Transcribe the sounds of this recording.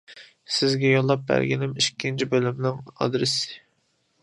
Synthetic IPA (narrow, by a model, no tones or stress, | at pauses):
sɪzɡʲɛjolˠːɑp̚bæ̰ɾɡʲinɪmiʃkʲʰːint͡ʃʰibølymnɪŋɑ̰d̪ɾɪsɪ̥